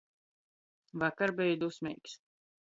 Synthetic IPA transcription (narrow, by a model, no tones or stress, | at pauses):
vakaɾbɛjd̪usmʲɛjks